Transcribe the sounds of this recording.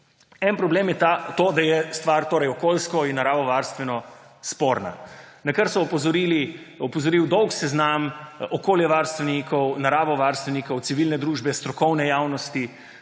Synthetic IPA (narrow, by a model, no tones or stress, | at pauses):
ɛnpɾɔbleːmjɛt̪at̪oːd̪ajɛst̪ʋaɾt̪oːɾɛjɔkolskɔinːaɾaːʋɔʋaɾst̪ʋɛnɔ | spoːɾna̰ | nɐkəɾsɔɔpɔzɔɾili | ɔpɔzɔɾiwd̪ɔwksɛznamɔkoːljɛʋaɾst̪ʋɛnikʰɔwnaɾaːʋɔʋaɾst̪ʋɛnikɔwt̪siʋilnɛd̪ɾuːʒbɛst̪ɾɔkɔwnɛjawnɔst̪i